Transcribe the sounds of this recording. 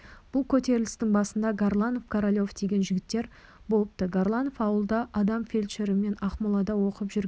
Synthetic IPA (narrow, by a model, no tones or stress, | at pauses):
b̥ʊlˠkʲʰɵt̪e̞ɾɪlɪst̪ɪŋbɑsənd̪ɑɡarlˠanofkʰaɾolʲo̞fd̪ʰe̞ɡʲe̞nʒɪɡʲɪt̪ːe̞ɾ | bo̞lˠəp̚t̪əɡarlˠanofɑwəlˠd̪ɑʔɑd̪ɑmfʲe̞lʲʃeɾɪme̞nɑχmolˠɑd̪ɑwo̞qəpʒʏɾɡʲ